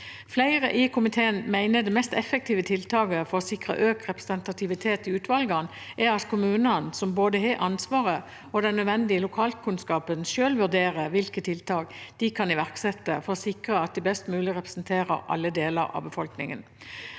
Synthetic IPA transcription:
flæɪʁəʔɪkʰʊmɪt̪ʰeːənmæɪnəd̪ɛmɛst̪ɛfːək̚t̪iːʋət̪ʰɪlt̪ʰɑːɡəfɔʁɔsɪkʁə̰ʔøːkʁɛpʁəsənt̪ɑt̪ʰɪʋɪt̪ʰeːt̪ɪʉːt̪ʋɑlɡɑn | ʔɛʁɑt̪kʰʊmʉːnɑnsɔmboːd̪əɦeːʔɑnsʋɑːʁə | ɔd̪ɛnːœd̪ʋɛnd̪ɪəlʊkʰɑːlkʰʉnskɑːpənʃøːlʋʉʁd̪eːʁəʋɪlkət̪ʰɪlt̪ʰɑːɡd̪̥ɪkʰɑnɪʋæʁksɛt̪ːəfɔɾɔsɪkʁəɑt̪̚d̪ɪbɛst̪mʉːlɪʁɛpʁsnt̪ʰeːɾə̰ɾʔɑ̰lːəd̪eːlə̰ɾɑ̰ːʋbəfɔlknɪŋə̰n

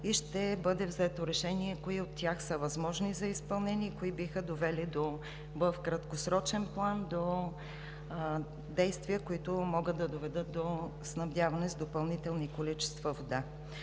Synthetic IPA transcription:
iʃt̪ɛbɤd̪ɛvzɛt̪oɾɛʃɛniɛkoiot̪ːʲaxsəvɐzmɔʒnizɐispɐlˠnɛniːkoibixəd̪ovɛlid̪o | vəfkɾɐt̪kosɾɔt͡ʃɛnplˠand̪o | d̪ɛjst̪vijəkoit̪ʊmɔɡət̪ːɐd̪ovɛd̪ɤt̪̚d̪osnɐvd̪javɐnɛzd̪opɐlˠnit̪ɛlˠnikolit͡ʃɛ̥st̪vɐvod̪a

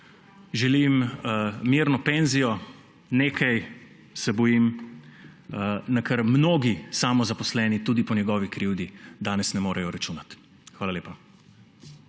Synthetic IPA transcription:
ʒɛlim | miɾnɔpeːnzijɔ | neːkʰaj | sɛbɔjim | nakɐɾmnoːɡisaːmɔzapɔslɛːnit̪uːd̪ipɔnjɛɡɔːʋikɾiwd̪id̪aːnɛsnɛmoːɾɛjɔɾat͡ʃuːnat̪ | xʋaːlaleːpa

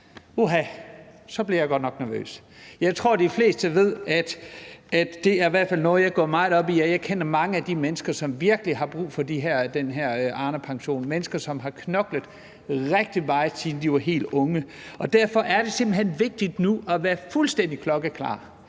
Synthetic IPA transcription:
uɦæsɒ̽b̥liɐjɑ̈ɪɡ̥ɒ̽d̥nɒ̽ɡ̥næɐʋø̰ːs | jɑ̈ɪt͡sʰʁo̝ɐ̰d̥ifle̝ːsd̥əʋe̝ð̞̰ˠæd̥æd̥ːe̝æɐiʋæɐ̰̥fæl̰nɔ̽ːð̞̩ˠjɑ̈ɪɡ̥ɔ̰ɐ̰mɑ̈ɪð̩ˠɒ̽b̥iæjɑ̈ɪkʰen̰ɐmɑ̈ŋəæd̥imenəsɡ̥ɐsɒ̽mʋiɐɡ̥əliɦɑ̈b̥ʁṵːfɒ̽d̥iɦæɐ̰d̥enɦeɐ̰ʔɑ̈ːnəpʰɑ̈ŋɕo̝̰ːnmenəsɡ̥ɐsɒ̽mɦɑ̈kʰnɒ̽ɡ̥ləð̩ˠ | ʁeɡ̥̚d̥imɑ̈ːəsʰiːn̩d̥iʋɑ̈ɦe̝̰ːld̥ɔ̽ŋə | ɒ̽d̥æɐfɒ̽ʔæɐd̥e̝sem̰b̥l̩ɦen̰ʋe̝ɡ̥̚d̥id̥nuʔɒʋæːɐfulsd̥en̰d̥ikʰlɒ̽ɡ̥əkʰlɑ̰̈ː

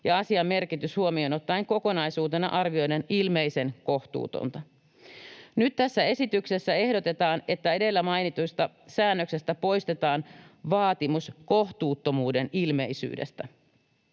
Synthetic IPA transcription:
jɑɑsiɑmːe̞rkit̪yshuomionot̪ːɑiŋko̞ko̞nɑjsuːt̪e̞nɑ̰ʔɑrʋio̞jdenilme̞jse̞nko̞ht̪ṵːt̪o̰nt̪ɑ | nyt̪t̪æsːæe̞sit̪ykse̞sːæe̞hdot̪e̞t̪ɑːne̞t̪ːæe̞de̞lːæmɑjnit̪ujst̪ɑ | sæːnːøkse̞st̪æpo̞jst̪e̞t̪ɑːnʋɑːt̪imusko̞ht̪uːt̪ːomuːde̞nilme̞isy̰ːdḛst̪æ

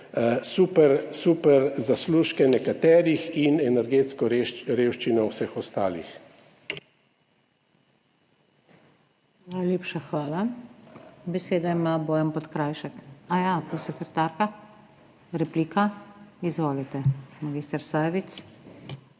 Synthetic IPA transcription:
supɛɾsupɛɾzasluːʃkɛnɛkat̪ɛːɾixinɛnɛɾɡeːt̪skɔɾɾeːwʃt͡ʃinɔwsɛxɔst̪a̰ːlḭx | najleːpʃaxʋaːla | bɛseːd̪aimaboːjɛmpɔt̪kɾaːjʃɛkajapɾosɛkɾɛt̪aːɾka | ɾɛpliːkaizʋɔːlit̪ɛmaɡist̪ɛɾsajʋit̪s

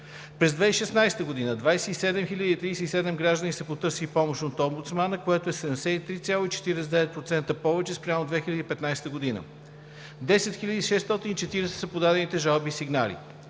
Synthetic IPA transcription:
pɾɛzd̪vɛiʃɛsnajsɛ̥t̪əɡod̪inəd̪vajsɛisɛd̪ɛmxilʲəd̪iːt̪ɾijsɛisɛd̪ɛmɡɾaʒd̪ənisɐpot̪ɤɾsilipɔmoʃnot̪ɔmbut̪smanəkoɛt̪oɛsɛd̪ɐɛmsɛit̪ɾit̪sʲjalˠoit͡ʃɛ̥t̪iɾɛsɛd̪ɛvɛt̪̚pɾot̪sɛnt̪əpɔvɛt͡ʃɛspɾʲamod̪vɛxilʲɐd̪ipɛt̪najst̪əɡod̪inə̰ | d̪ɛsɛt̪xiʎʲəd̪iːʃɛst̪ɔt̪init͡ʃɛt̪iɾɛsɛ̥sɐpod̪ad̪ɛnit̪ɛʒalˠbiːsiɡnalḭ

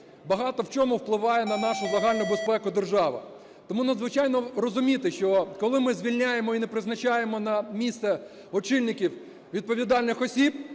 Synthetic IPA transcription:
bɐɦɑt̪ɔwt͡ʃɔmʊwplˠɪʋɑjɛnɐnɑʃʊlˠeɦɑlʲnʊbespɛkʊd̪erʒɑʋɪ̰ | t̪ɔmunɐd̪zʋɪt͡ʃɑjnɔrɔzʊmʲit̪ɪʃt͡ʃɔkɔlˠɪmɪzʲʋʲilʲnʲajemɔinɛpɾɪznɐt͡ʃajemɔnɐmʲist̪sɛ | ɔt͡ʃɪlʲnɪkʲiw | ʋʲid̪̚pɔʋʲid̪ɑlʲnɪxɔsʲib

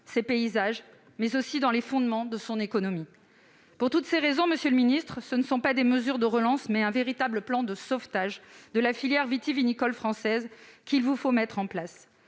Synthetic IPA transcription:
sepeizaʒ | mɛzosid̪ɑ̃lefɔ̃d̪mɑ̃d̪əsɔ̃nekɔnɔmi | puʁt̪ut̪seʁezɔ̃məsjøləminist̪χsənəsɔ̃pad̪eməzyʁd̪əʁəlɑ̃smɛɛ̃veʁit̪abləplɑ̃d̪əsɔft̪aʒd̪əlafiljɛʁvit̪ivinikɔlfχɑ̃sɛzkʲilvufomɛt̪χɑ̃plas

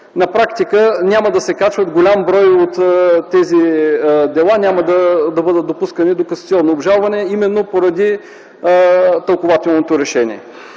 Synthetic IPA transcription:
nɐpɾakt̪ikənʲaməd̪ɐsɛkat͡ʃvət̪ɡolʲambɾɔjot̪ːɛzid̪ɛlˠanʲaməd̪ɐd̪ɐbɤd̪ət̪̚d̪opuskənid̪okɐnsit̪iɔnːoːbʒalˠvɐnɛimɛnːopoɾɐd̪i | t̪əlˠkovat̪ɛlˠnot̪oɾɛʃɛnḭɛ

